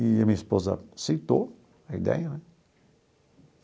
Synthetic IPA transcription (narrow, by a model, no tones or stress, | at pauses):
iamĩɐispozɐ̰sit̪o | ɐid̪ɛ̰jɐnɛ